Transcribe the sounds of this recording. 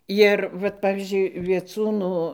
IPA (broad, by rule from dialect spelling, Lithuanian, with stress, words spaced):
ˈjɪr ʋɐt ˈpɑːʋʲiːzʲd͡ʒʲʊɪ ʋʲiɛˈt͡suːnʊ